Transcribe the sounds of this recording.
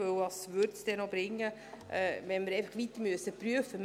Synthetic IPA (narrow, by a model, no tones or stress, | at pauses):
ɵwɑsʋʏɾtsd̥ɛnɔbɾɪŋːə | ʔɛʋɛnməɾeɪfɑχʋit̪əɾmyəsəpɾyəfəm